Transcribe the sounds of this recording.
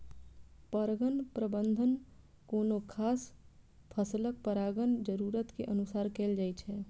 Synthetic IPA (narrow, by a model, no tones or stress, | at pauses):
pəɾɡənpɾəbənd̪ʱən | konokʰas | pʰəslək̚pəɾaɡənd͡ʒəɾuɾət̪keʔənusaɾkeld͡ʒajt͡ʃʰɛ